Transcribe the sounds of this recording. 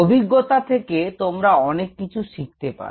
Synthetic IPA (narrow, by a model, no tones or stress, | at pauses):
obʱiɡːot̪at̪ʰeket̪omɾaɔnekːit͡ɕʰuʃik̚t̪epa̰ɾ